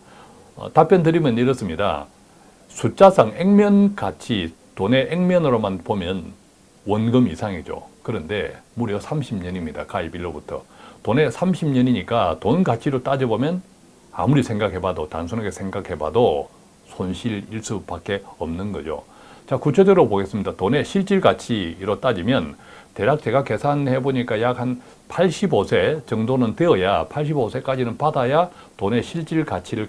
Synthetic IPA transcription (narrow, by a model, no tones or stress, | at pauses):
ʌ̰tapjʌndɯɾimjʌniɾʌs͈ɯmɲida̰ | sʰut͡ɕ͈asʰaŋeŋmjʌnkat͡ɕʰi | tone̞ʔeŋmjʌnɯɾomanpomjʌn | wʌnɡɯmisʰaŋid͡ʑo̰kɯɾʌnde̞muɾjʌsʰamɕʰimɲʌɲimɲida̰kaibiɭːobutʰʌ̰tone̞sʰamɕʰimɲʌɲiɲik͈atonɡat͡ɕʰiɾot͈ad͡ʑʌbomjʌn | a̰muɾisʰeŋɡakʰe̞badota̰nsʰunaɡe̞sʰeŋɡakʰhe̞ba̰do | sʰonɕʰiɾiɭs͈ub̥ak͈e̞ʌmnɯnɡʌd͡ʑo̰ | t͡ɕakut͡ɕʰed͡ʑeɯɾoboɡe̞s͈ɯmɲidatone̞ɕʰiɭt͡ɕ͈iɭkat͡ɕʰiːɾot͈ad͡ʑimjʌnte̞ɾak̚t͡ɕ͈e̞ɡake̞sʰanhe̞boɲik͈ajakhan | pʰaɭɕ͈ʰibosʰe̞t͡ɕʌŋdonɯnteʌjapʰaɭɕ̬ʰibosʰe̞k͈ad͡ʑinɯnpadaja | tone̞ɕʰiɭt͡ɕ͈iɭkat͡ɕʰiɾɯɭ